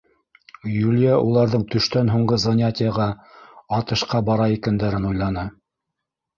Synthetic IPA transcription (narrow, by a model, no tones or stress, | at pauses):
julʲjaʔulˠɑɾðɤɴt̪ɵ̆ʃt̪ænɦuɴɢɤzɐnʲat̪ʲɪjaʁɑɑt̪ɤ̆ʃqɑbɑɾɑikænd̪æɾɘnujlˠɑnɤ